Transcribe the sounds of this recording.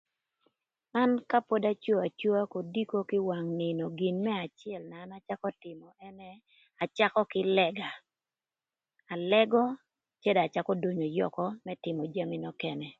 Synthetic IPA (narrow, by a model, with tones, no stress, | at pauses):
ma˦nka˦po˦da˦t͡ʃo˦a˨t͡ʃo˦a˦ko˨di˦ko˦kɪ˦wa˨ŋnɪ˨no˨ɡi˨nmɛ˦a˨t͡ʃɪɛ˨lnaː˨na˦t͡ʃa˦kɔ˦tɪ˨mɔ˨ʔɛ˦nɛ˦ | a˨t͡ʃa˦kɔ˦kɪ˦lɛ˦ɡa˨ | a˨lɛ˦ɡɔ˦ | t͡ʃɛ˦da˨t͡ʃa˦kɔ˦do˦ɲo˨jɔ̰˨kɔ˦mɛ˦tɪ˨mɔ˨d͡ʒa˦mɪ˦nɔ˦kɛ˦nɛ˨